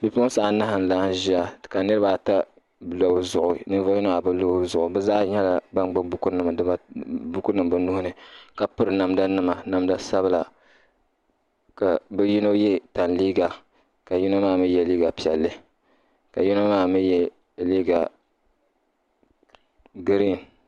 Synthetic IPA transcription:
pi˨pːsa˨ʔna˦hɨ˨n̩˨laː˦n˦ʒi˦a˦ka˨nɨ˦ɾɨ˦ba˨ta˦ | lo˨bzʊ˨ʔʊ˨nɨ˦va˦ji˦no˦a˨bɨ˦lo˦zʊ˨ʔʊ˨bɛ˦zaː˦ɲɛ˦la˨ba˦ŋ͡mɡ͡ba˦bu˦ku˦nɨ˨m˨dɨ˦ba˦bu˦ku˦nɨ˨mbɨ˦nu˦hʊ˦nɨ˨ka˨pɨ˦ɾɨ˨na˨mda˦nɨ˦ma˨na˨mda˦sa˦bɨ˦la˨ | ka˨bɨ˦ji˦no˦jɛ˦ta˨nliː˦ɡa˨ | ka˨ji˦no˦maː˦˨mi˦jɛ˨liː˦ɡa˨pi˨ɛ˨lːɨ˦ | ka˨ji˦no˦maː˦˨mi˦jɛ˦˨ | liː˦ɡa˨ | ɡɾi˦˨n

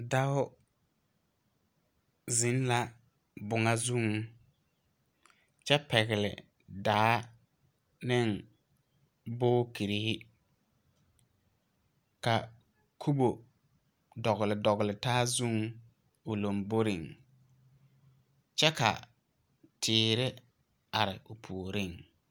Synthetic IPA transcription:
da˦ʊ˦ | zɪ˨˦n˦la˦ | bʊ˨ŋa˦zu˦ŋ˦ | t͡ʃɛ˦pɛ˨ɣɪ˨lɪ̰˨ | daː˨˦ | nɪ˦ŋ | bʊː˦ki˨ɾi˦hɪ˦ | ka˨ | kʰu˦bo˨ | dɔ˨ɣɪ˨lɪ˨dɔ˨ɣɪ˨lɪ˨taː˦zu˦ŋ | ʊ˨lo˨mbo˦ɾɪ˨ŋ | t͡ʃɛ˦ka̰˨ | tʰɪː˨ɾɪ˦ | a˨ɾɪ˨ʊ˨pʰu˨ɾɪ˦˨ŋ

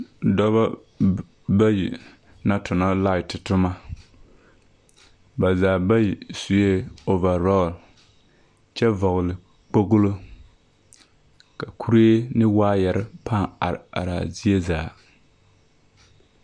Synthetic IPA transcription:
dɔ˦βa˦ | ba˦jḭ˨ | na˦tʊ˨na˦la˦˨ɪ˨tɪ˨tʊ˦ma˦ | ba˨zaː˨ba˦ji˨su˨je˦o˨va˨ɾɔ˦˨l | t͡ʃɛ˦vɔ˨ɣʊ˨lɪ˨ | k͡po˦ɡʊ˦lo˦ | ka˨kʰu˦ɾe˦nɪ˦waː˦jɛ˨ɾɪ˦pa˦a˨a̰˨ɾa̰˨zi˦e˦zaː˨

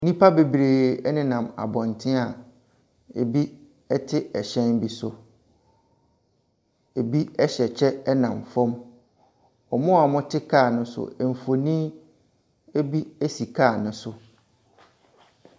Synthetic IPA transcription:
nĩ˦pʰa˦be˨bɾeː˨ɛ˦nɪ̃˦nã˨ma̰˨bɔ̃˨ntʰɪ̃˦a˨ | e˨bi˦ | ɛ˦tʰɪ˦ɛ˨ɕɛ̃˦nbi˨sʊ˨ | e˨bi˦ɛ˦ɕɛ˨t͡ɕʰɛ˦ɛ˦nã˨mfɔ̃˦m | ɔ˨mʊ̃˦a˨mʊ̃˦tʰɪ˦kʰaː˦˨nʊ̃˦sʊ̰˨ɛ˨m̩˨fo˨nĩ˦ | e˦bi˦e˦si˨kʰaː˦˨nʊ̃˦sʊ˨

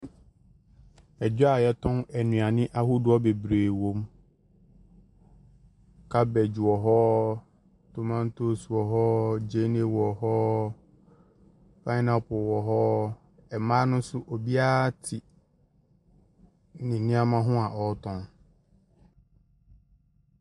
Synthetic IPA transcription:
ɛ˨d͡ʑᶣa˨jɛ˦tʰɔ̃˦nɛ˨nũ˨a˨nɪ̃˦ʔa˦hu˦dʊ˨˦ɔ˦be˨bɾeː˨wõ˨˦m | kʰa˦bɛ˨d͡ʑu˨wɔ˨ɦɔ˦ | tʰo˨mã˦n˦tʰo˦su˨wɔ˨ɦɔ˦d͡ʑe˦ne˦wɔ˨hɔ˦ | fʰa˦nã˦pʊ˨wɔ˨ɦɔ˦ | ɛ˨mãː˦nʊ̃˦sʊ˦ʔo˨bi˦a˦tʰi˨ | nɪ̃˨nĩ˦a˦mã˦ɦʊ̃˦a˨ʔɔ˨˦tʰɔ̃˦n

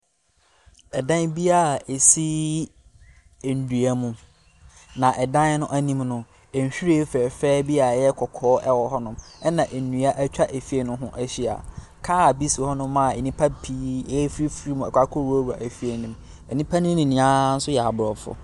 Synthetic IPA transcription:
ɛ˨dã˦nbi˦a˨e˨si˦ | e˨n̩˨du˨a˦mʊ̃˦ | nã˨ʔɛ˨dã˦n˦nʊ̃˦ʔæ˦nĩ˦mnʊ̃˨ | ɛ˨ɲ̩˨ɕᶣi˦ɾi˦fɛː˨fɛː˦bi˦a˨jɛ˦kʰɔ˨kʰɔː˦ʔɛ˦wɔ˨ɦɔ˦nʊ̃˦mɛ˦nã˨ʔe˨nũ˨a˦ʔæ˦t͡ɕᶣa˦ʔæ˨fi˦e˦˨nʊ̃˦ɦʊ̃˦ʔæ˦ɕi˦a̰˨ | kʰaː˦˨bi˦si˨hɔ˦nʊ̃˦mːã˦˨e˨nĩ˦pʰa˦pʰiː˦ɛ˦fɾi˦fɾi˦mũ˨ɛ˨kʷa˦kʰɔ˦ɾu˦o˦wa̰˨ʔæ˨fi˦e˨nʊ̃˨m | ɛ˨nĩ˦pʰa˦nʊ̃˦nĩ˨nĩ˨ã˦n̩˦sʊ˦jɛ˨a˨bʊ˨ɾɔ˨fʊ̰˨

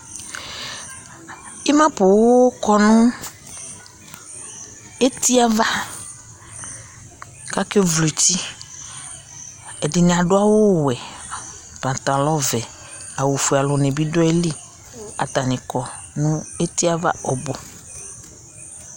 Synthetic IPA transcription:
i˦mã˦po˨wo˦kɔ˦nũ˦ | e˦t̪i˦a˦va˦ | ka˦ke˦vlo˨ti˦ | ɛ˨di˨nẽ˨a˨ɖo˦a˦wo˦wɛ˨ | pã˨t̪a˨lɔ˦vɛ˨ | a˨wo˨fu˨a˨lɔ˨nɛ̃˨bi˦dɔ˦ɛ˦li˦ | a̰˨t̪a˨nɛ̃˨kɔ˨ | nũ˦e˦t̪i˦a˦va̰˦ɔ˨bo˨

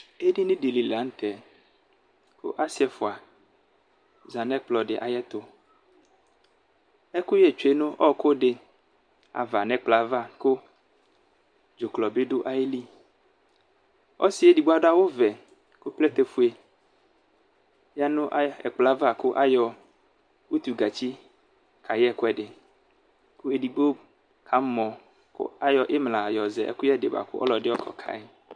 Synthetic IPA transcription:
e˦di˦nĩ˦di˨li˨la˨˦n̩˦t̪ɛ˨ | ko̰˦ʔa˦si˦ɛ˨fo˨a˨ | za˨nɛ̃˦k͡plɔ˨ɖɪ˨ʔa˨jɛ˦t̪o˦ | ɛ˦ku˦jɛ˨t͡ʃe˦nũ˦ʔɔ˦ko˦ɖe˨ | a̰˨va˨nɛ̃˦k͡pla˦va˦ko˦ | d͡ʒo˨klɔ˨be˦ɖo˦ʔa˨e˦li˦ | ɔ̰˦si˦e˨˦di˨ɡ͡bo˦a˦da˦wo˦vɛ˨ | ko˦plɛ˦t̪e˦fu˦e˨ | ja˦nũ˦ʔɛ̰˨k͡pla˦va˦˨ko˦ʔa˦jɔ˨ | wu˦t̪u˨ɡa˨t͡ɕi˦ | kʰa˨jɛ˦˨ko˦ɛ˦˨ɖe˨ | ku˦e˨di˨ɡ͡bo˦ | kʰa˨˦mɔ̃˨ | ko̰˦a˦jɔ˨ʔe˦mla˨jɔ˨zɛ˨ʔɛ̰˦ku˦jɛ˦ɖe˨ba̰˨ko̰˦ʔɔ̰˦lɔ˨ɖe˦ɔ˦kʰɔ̰˨kʰa̰˨e˦

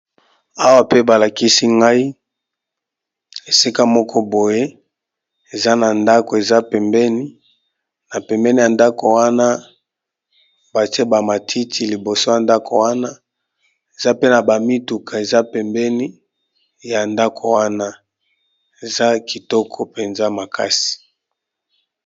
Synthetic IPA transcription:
a˦wa˦pe˦ba˨la˨ki˦si˦ŋɡa˦i˦ | e˨si˦ka˦mɔ˦kʰɔ˦bo˨je˦ | e˨za˦na˨nda˦ko˨e˨za˦pɛ˨mbɛ˦ni˦ | na˨pɛ˨mbɛ˦ni˦ja˨nda˦ko˨wa˦na˦ | ba˨te˦ba˨ma˨tʰi˦tʰi˦li˨bo˨so˦ja˨nda˦kʰo˨wa˦na˦ | e˨za˦pe˦na˨ba˨mi˦tu˨kʰa˨e˨za˦pɛ˨mbɛ˦ni˦ | ja˨nda˦kʰo˨wa˦na˦ | e˨za˦ki˨tɔ˦kʰɔ˦pe˨nza˦ma˨kʰa˦si̥˨

